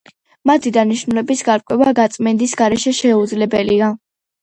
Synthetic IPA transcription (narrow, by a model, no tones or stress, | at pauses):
mat̪ʰid̪aniʃnulɛbisɡaɾkʼwɛvaɡat̪sʼmɛnd̪isɡaɾɛʃɛʃɛud̪zlɛbɛlia